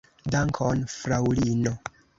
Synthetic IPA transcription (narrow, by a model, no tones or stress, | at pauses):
daŋkʰonfɾawlino